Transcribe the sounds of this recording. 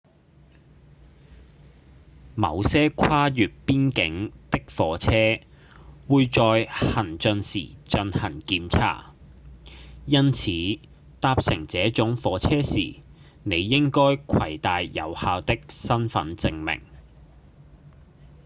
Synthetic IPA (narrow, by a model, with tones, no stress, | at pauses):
mɐ̰˨˧wsɛː˥kʰwaː˥jyː˨t̚piː˥nkɪ˨˥ŋt̪ɪ˥k̚fɔː˨˥t͡sʰɛː˥ | wuː˨˧jt͡ʃɔː˧jhɐ˨˩nt͡ʃɵ˨˧nsḭː˨˩t͡ʃɵ˧nhɐ˨˩nkiː˧mt͡sʰa̰ː˧˥˩ | jɐ˥nt͡sʰiː˨˥ | t̪aː˧p̚sɪ˨˩ŋt͡sɛː˨˥t͡sʊ˨˥ŋfɔː˨˥t͡sʰɛː˥sḭː˨˩ | ne˨˧jːɪ˥ŋkɔː˥jkʷʰɐ˨˩jt̪aː˨jːɐ̰˨˧whaː˧wt̪ɪ˥k̚sɐ˥nfɐ̰˨˥nt͡sɪ˧ŋmɪ̰˨˩ŋ